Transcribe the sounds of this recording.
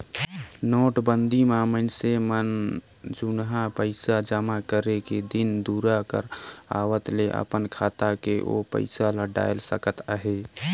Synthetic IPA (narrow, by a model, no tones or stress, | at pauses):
noːʈbənd̪ʱimamənsemən | d͡ʒunɦãpəɪsad͡ʒəmakəɾeked̪ɪnd̪uɾakə̰ɾa̰ːwət̪leʔə̰pənkʰaːt̪akeʔo̰pə̰ɪsaləɖa̰ːjlsəkət̪aɦe